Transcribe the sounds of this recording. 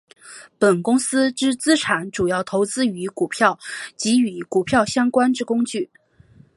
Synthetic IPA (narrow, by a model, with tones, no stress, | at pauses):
pə˨˩nkʊ˥ŋsɹ̩˥ʈ͡ʂɻ̩˥t͡sɹ̩˥ʈ͡ʂʰa˨˥nʈ͡ʂu˨˩jɑ˥˩ʊt̪ʰo˧˥ʊt͡sɹ̩˥y˧˥ku˨˩pʰjɑ˥˩ʊt͡ɕi˧˥y˧˥ku˨˩pʰjɑ˥˩ʊɕjɑ˥ŋkwa˥nʈ͡ʂɻ̩˥˩kʊ˥ŋt͡ɕy˥˩